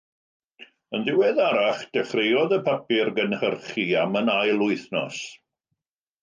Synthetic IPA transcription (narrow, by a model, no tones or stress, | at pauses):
ənðɪwɛðaɾaχd̥əχrejɔðəpʰapɪrɡənhərχiamənajlˠʊɨθnɔ̰s